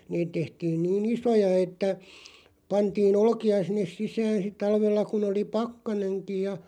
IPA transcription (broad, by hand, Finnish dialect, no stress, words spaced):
niːt tehtiːn̞ niːn isojɑ etːæ pɑntiːn olŏkiɑ sinːes sisæːn̞ sit tɑlʋelːɑ kun oli pɑkːɑneŋkij jɑ